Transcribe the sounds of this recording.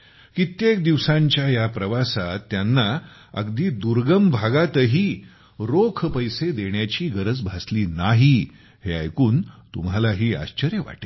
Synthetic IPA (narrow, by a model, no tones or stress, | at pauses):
kit̪jek̚d̪iʋsãɲt͡ɕjajapɾəʋasat̪ːjanːa | ə̰ɡd̪iːd̪uɾɡəmbʱaɡat̪əɦiː | ɾokʰpəjsed̪eɳjat͡ɕiːɡəɾəd͡zbʱasliːnaɦi | hea̰jkuːnt̪umɦalaɦiːa̰ɕt͡ɕəɾjəʋa̰ʈe̥